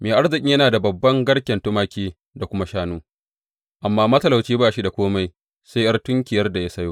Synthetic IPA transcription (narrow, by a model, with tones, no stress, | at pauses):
meː˨ʔa˦rzɪ˨kʲʼɪ˦jɐ˦naː˨da˨bɐ˨bːɐ˦ŋɡɐ˦ɽkʲɛ˨ntʊ˦maː˦kʲiː˦ | da˨kʷʊ˦ma˦ʃaː˦nuː˦ | ʔa˨mːaː˦mɐ˦tɐ˦˨la˨wt͡ʃiː˦baː˦˨ʃi˦da˨kʷoː˦ma˦j | sa˦ʔɐ˦rtʊ˦ŋkʲɪ˨jɐ˦rda˨ja˦sɐ˦joː˦